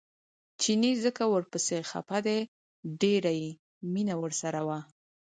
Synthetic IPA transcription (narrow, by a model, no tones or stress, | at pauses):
t͡ʃinizəkawəɾpəsexa̰pad̪e | ɖeɾaji | minawəɾsaɾawa